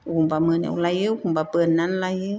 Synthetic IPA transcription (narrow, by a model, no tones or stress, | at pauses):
ukumbaməna̰wlajɯukumbapənːanlajɯ